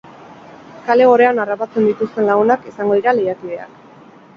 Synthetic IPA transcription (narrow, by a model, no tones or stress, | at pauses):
kale̞o̞ɾe̞anarapat͡se̞nd̪it̪ust̪e̞nlaɣunakesaŋɡo̞ðiɾalejakið̞e̞a̰k